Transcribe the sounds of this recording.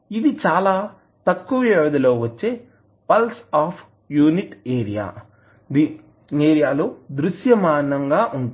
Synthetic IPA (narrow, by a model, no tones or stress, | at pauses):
id̪it͡ʃaːlaː | t̪ɐkːuʋɐɛːʋɐd̪ɐlo̞ːʋɐt͡ʃːe̞ː | pɐlsaːpʰ | juːniʈeːɾija̰ː | d̪i | eːɾijaːloːd̪ɾuʃjɐmaːnɐŋɡaːʔuɳʈ